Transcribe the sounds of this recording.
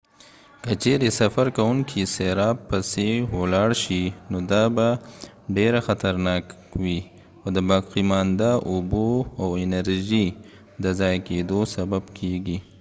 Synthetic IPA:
kət͡ʃeɾesafaɾkawuŋkʰiseɾɑb̚pəsewolɑɽʃinod̪aba | ɖeɾaxat̪aɾnɑkwi | ad̪əbɑqimɑnd̪aʔuboawɪnəɾʒi | d̪əzɑjked̪osababkʰeɡi

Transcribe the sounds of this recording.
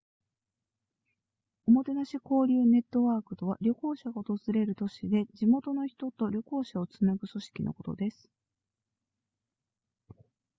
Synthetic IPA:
o̞mo̞t̪e̞naɕiko̞ːɾʲɯːne̞t̪ːo̞βaːkɯ̟t̪o̞βa̰ɾʲjo̞ko̞ːɕaɡaot̪o̞zɨɾe̞ɾɯ̟t̪o̞ɕid̪e̞d͡ʑimo̞t̪o̞no̞çi̥t̪o̞t̪o̞ɾʲo̞ko̞ːɕao̞t͡sɨnaɡɯ̟so̞ɕi̥kʲino̞̰ko̞t̪o̞̰d̪e̞sɨ̥

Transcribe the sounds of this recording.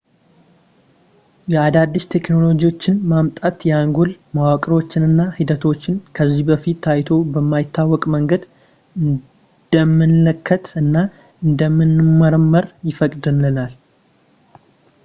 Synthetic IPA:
jɛad̪ad̪ːɨʃt̪ʰe̞kno̞lo̞ɡiwo̞t͡ʃːɪnmamt̪ʼat̪jɛaŋɡulmawakʼɾot͡ʃːɪnɨnːahid̪ət̪ʰo̞t͡ʃːɪnkʰəzːibəfit̪ʰːajt̪ʰo̞bəmːajɪt̪ːawːɔkʼməŋɡəd̪ | ɨ | d̪̥əmːɨnləkʰːət̪ɨnːa | ɨnd̪əmːɨnːɨmːəɾəmːəɾjɪfəkʼd̪ɨnːɨlal

